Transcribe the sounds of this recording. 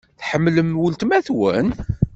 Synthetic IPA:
θħəmːləmwʊlt̪mæθwæ̰n

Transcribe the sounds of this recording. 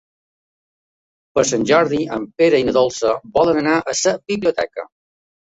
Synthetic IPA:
pəɾsanʲʒɔɾðiə̰mpeɾəinəðolˠsəbɔlənənaʔəsəbiβliut̪ɛ̰kə̰

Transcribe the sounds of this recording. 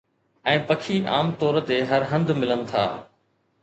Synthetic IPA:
ɛ̃ːpɐkʰiʔaːmt̪ɔːɾt̪eɦɐɾɦɐ̃nd̪mɪlənɪ̆t̪ʰa̰ː

